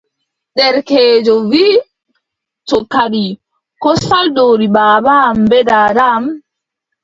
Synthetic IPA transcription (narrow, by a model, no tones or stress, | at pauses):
ɗɛɾkɛːd͡ʒɔviː | tɔkaɗi | kɔsaldoːɾibaːbambɛdaːɾam